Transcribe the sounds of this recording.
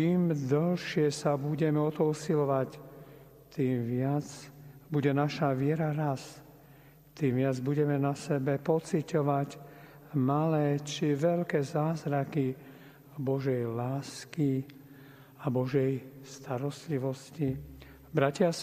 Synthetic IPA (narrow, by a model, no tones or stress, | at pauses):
t͡ʃiːmd̪ɔlʃɪɛsabuɟɛmɛɔt̪ɔusilɔʋac | t̪iːmʋɪat͡sbuɟɛnaʃaʋɪɛɾaɾas | t̪iːmʋɪad͡zbuɟɛmɛnasɛbɛpɔt͡sicɔʋac | malɛːt͡ʃiʋɛʎkɛːzaːzɾaki | bɔʒɛjlaːski | abɔʒɛjst̪aɾɔst̪liʋɔsci | bɾacɪa